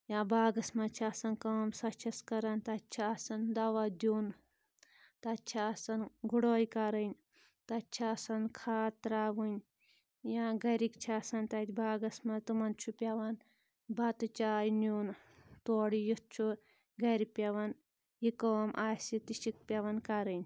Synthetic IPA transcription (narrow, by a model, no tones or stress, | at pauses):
jãːbaːɡɐsmɐt͡ʃʰaːsɐnkɐːmsɐt͡ʃʰɐskɐɾɐnt̪ɐt͡ʃʰiasɐnd̪ɐʋɐd̪uːn | t̪ɐt͡ʃʰiɐsɐnɡuɽoːjkaɾɐnʲ | t̪ɐt͡ʃʰaːsɐnkʰaːt̪ɾaːʋunʲ | jaːɡɐɾikt͡ʃʰaːsɐnt̪ɐt̪ʰʲbʱaːɡɐsmɐt̪umɐnt͡ʃʰupʲjɐʋɐn | bat̪ut͡ʃaːjnjoːn | t̪oːɽijut͡ʃʰu | ɡɐɾipʲjɐʋɐn | jikoːmʔaːsit̪iʃik̚pʲjɐʋɐnkaɾɐnʲ